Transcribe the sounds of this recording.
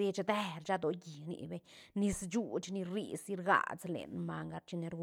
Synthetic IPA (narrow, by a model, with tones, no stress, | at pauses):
i˧t͡ʃd̪e˦ɾt͡ʃa˦d̪o˧ɡi˨nḭ˧be˧ɲni˧st͡ʃu˧t͡ʃni˧ɾḭ˧si˦ɾɡa̰˧˨t͡slḛ˨˧nma˧ŋɡa˧ɾt͡ʃi˧ne˧ɾɡ